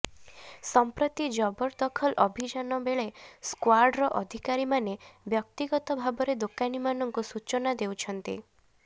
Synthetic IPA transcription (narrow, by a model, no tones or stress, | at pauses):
sɔmpɾɔt̪id͡ʒɔbɔɾd̪ɔkʰɔlʔɔbʱid͡ʒanɔbeɭeskwaɾɖɾɔʔɔd̪ʱikaɾimanebjɔk̚t̪iɡɔt̪ɔbʱabɔɾed̪okanimanɔŋkusut͡ʃɔnad̪ewt͡ʃʰɔnt̪ḭ